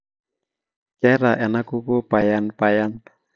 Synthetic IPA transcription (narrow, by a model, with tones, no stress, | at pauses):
kɛ˦ɾa˨ʔɛ˨na˦ku˦ko˦pajanpajan